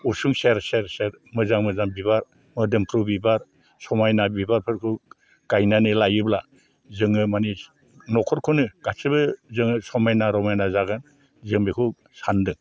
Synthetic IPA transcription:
usuŋseɾseɾseɾ | mɯzaŋmɯzaŋbibaɾ | mɯdɯmpʰɾubibaɾ | sɔmajnabibaɾpʰɯɾkʰɯ | ɡ̥ajnanɯlajɯbla | zɯŋɯmani | nɔkʰɔɾkʰunɯɡ̥asɯbɯzɯŋɯsɔmajnaɾɔmajnazaɡɯn | zɯŋbikʰɯ | sandɯŋ

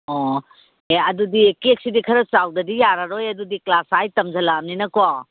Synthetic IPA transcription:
ɔ | eɐdudiekek̚sidikʰɐɾɐt͡ʃawdɐdijaɾaɾojɐdudiklasajtɐmzɐlamninɐkoa

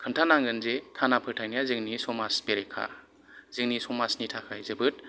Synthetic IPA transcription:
kʰɯntʰanaŋɡɯnzekʰanapʰɯtʰajnijazɯŋnisɔmaspeɾekʰa̰ | zɯŋnisɔmasnitʰakʰajzɯbɯt̚

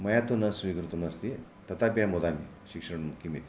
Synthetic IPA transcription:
məjat̪unəsʋiɡɾut̪unəst̪i | t̪ət̪apjamod̪ami | ɕikʂəɳ̃mukimit̪

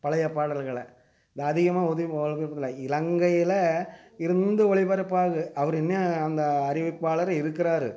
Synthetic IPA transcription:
pɐlɐjɐpːaːɽɐlɣɐɭɐ | ɪðɐɐðɪɣɐmaːɔðɯɐɐlɣɐɐðlɐɪlɐŋɡɐjɪlɐ | ɪɾɯnd̪ɯɔɭɪbɐɾɐpːaːɣɯɐʋɐɾɛnːɐːnd̪ɐːɾɪʋɯpːaːɭɐɾɐɪɾɯkːɪɾaːɾɯ

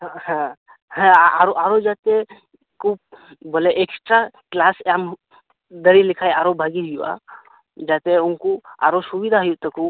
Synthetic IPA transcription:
hɛ̃ | hɛ̃aɾoʔaɾod͡ʒat̪e | kup̚boleʔeksʈɾaklasam | d̪əɾilɪkʰaːjaːɾobʱaɡiɦʊjua̰ | d͡ʒat̪eʊnkua̰ːɾosubid̪ʱaɦjut̪ɐku

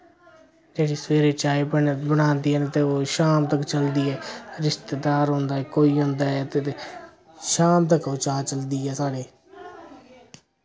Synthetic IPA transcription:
d͡ʒeːɽiːsəʋeːɾeːt͡ʃaːibəɽbəɽ̃ãːnd̪iːɦɛnet̪eːoːʃaːmt̪əkt͡ʃəld̪iːɛːɾɪʃt̪eːd̪aːɾɦʊ̃nd̪aːɦɛːkoːiːɦʊ̃nd̪aːɛːt̪eːt̪e | ʃaːmt̪̬əkoːt͡ʃaːt͡ʃəld̪iːɛːsaːɽeː

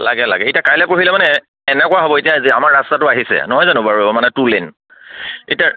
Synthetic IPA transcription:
la̰ɡɛla̰ɡɛetiakajlɛpɹoɦilɛmanɛ | ɛnɛkɔʊaɦɔbɔetiaziamaɹastatʊaɦisɛ̰nɔɦɔjzanʊ̃baɹubɔmanɛtulen | etia

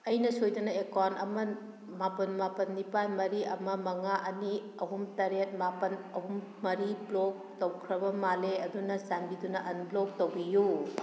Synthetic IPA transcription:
ɐjnɐsojdɐnɐekanɐmɐ | mapɐnmapɐnːipanmɐɾiɐmɐmɐŋaʔɐni | ɐɦumtɐɾet̚mapɐnɐɦumːɐɾiplok̚ | towkʰɾɐbɐmaleɐdunɐsanbidunɐʔɐnblok̚towbiju

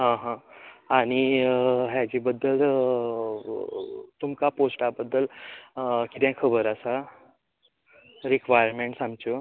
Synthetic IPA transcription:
ɦãɦãaɽ̃iɦjad͡ʑibəd̪ːəl | t̪umkaposʈabəd̪ːəl | kit̪ɛ̃kʰəbəɾəsa | ɾikʋajəɾmeɳʈsamt͡ɕo

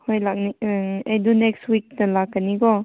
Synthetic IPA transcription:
hojlak̚niejdunekstwik̚tɐlakːaniɡɔ

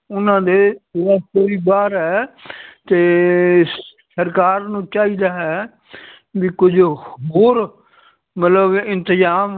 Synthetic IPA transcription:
ʊnãːd̪eːeːɾaːsoːiːbaːɾɦɛːt̪eː | səɾkaːɾnũːt͡ʃaːiːd̪aːɦɛː | ʋikʊd͡ʒɦoːɾ | mət̪ləbɪ̃nt̪əzaːm

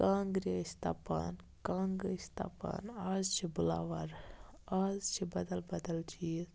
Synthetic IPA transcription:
kãːŋɡɾesʲt̪ɐpa̰ːn | kãːŋɡɾeːst̪a̰pa̰ːnaːzt͡ʃʰibula̰ːʋaɾ | aːzt͡ʃʰibɐd̪ɐlbɐd̪ɐlt͡ʃʰiz

